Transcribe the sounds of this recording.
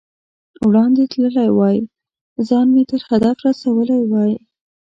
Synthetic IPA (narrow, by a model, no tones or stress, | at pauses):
wɽɑnd̪et̪ləlajwɑji | zɑnmet̪əɾhad̪afɾasawəlajwɑji